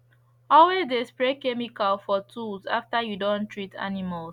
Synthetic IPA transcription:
ɔlwezdespɹekemikalfɔtʰulza̰ftajudõntʰɹitʰa̰nimals

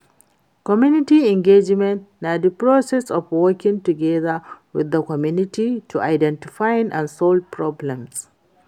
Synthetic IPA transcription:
kɔmjunɪtiɪŋɡed͡ʒmɛ̃ntnadipɹosɛsɔfwɔkʲɪ̃ŋtʊɡɛðawɪ̰ðːɐkɔmjunɪtitʰuʔajdɛntɪfajnʔã̰nsɔlpɹɔblɛ̃ms

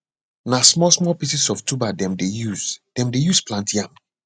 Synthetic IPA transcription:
nasmɔlsmɔpisisɔftubadɛ̃mdejuzd̥ɛ̃mdejusplãntiãm

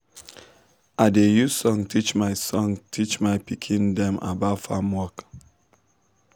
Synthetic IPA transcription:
ʔaɪdejusɔ̃ŋtʰit͡ʃmaɪsɔ̃ŋtʰit͡ʃmaɪpikʰĩndɛ̃ma̰batfãmwɔk

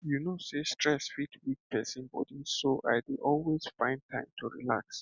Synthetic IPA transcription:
junosestʰɹɛsfitʰwik̚pʰɛsĩnbɔ̰disoʔa̰ɪdʔɔlwez̥fãɪ̃n̚tʰãɪ̃mtʰuɹḭla̰ks

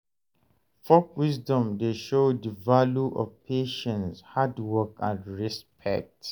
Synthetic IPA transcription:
fɔkwisdɔ̃mdeʃodəvaluʔɔ̰vpʰeʃɛ̃nshadwɔkãndɹispʰɛ̰k̚t

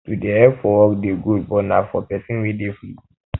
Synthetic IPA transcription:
tudeɛpfɔwɔkdeɡud̚bɔnafɔpɛsĩnwidefi

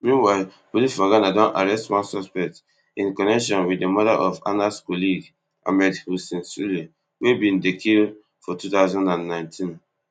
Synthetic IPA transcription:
mĩnwaɪ | bolifaɡanadɔ̃naɹɛstwɔ̃nsɔspɛk̚t | ĩnkɔnɛkʃɔ̃nwiemɔdaʔɔfa̰naskɔliɡ | ʔa̰mɛdhusɛ̃nsuli | webĩndekʰi | fɔtutaʊzɔ̃ndãnːãɪ̃ntʰĩn

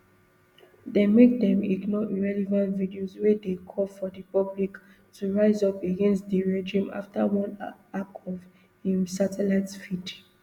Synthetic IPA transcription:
demek̚dɛ̃mḭɡnɔʔiɹɛlɛvãntvidiozwedekʰɔlfɔdipɔblik | tʰuɹaɪzɔpeɡɛ̃nstdiɹɛd͡ʒĩma̰ftawɔ̃nakʰɔv | hĩmsatʰɛlaɪtsfid

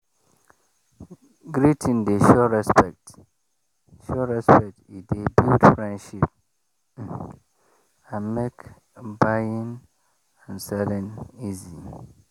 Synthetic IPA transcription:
ɡɾitʰĩndeʃɔɹɛspɛk̚t | ʃɔɹɛspɛk̚tidebildfɹɛ̃ndʃip̚ | ãnmek | baĩn | ãnsɛlɛ̃nizi

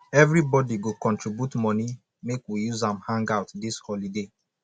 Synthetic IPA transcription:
ɛvɹibɔdiɡokɔ̃ntɹibjutmɔ̃ni | mekwijuzãmhãŋɡaʊtdishɔlide

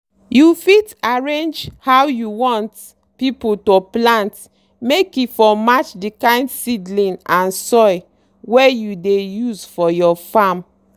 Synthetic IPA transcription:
jufitaɹẽnd͡ʒhawjuwɔ̃nt | piputoplãnt | mekifɔmat͡ʃdikãɪ̃ndsidlĩnãnsɔj | wejudejuzfɔjɔfam

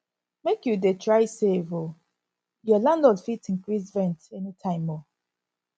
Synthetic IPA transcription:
mekjudetʰɹaɪsevo | jɔlãndɔdfitĩnkɹisvɛ̃ntɛnitʰãɪ̃mːɔ

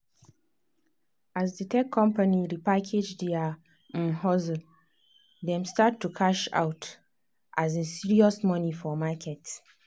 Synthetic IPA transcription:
azditʰɛkʰːɔ̃mpaniɾipakʰed͡ʒdiã | hɔz | dɛ̃mstatʰːukʰaʃa̰wt | ʔazɛ̃nsiɹiɔsmɔ̃nifɔmakʰɛt

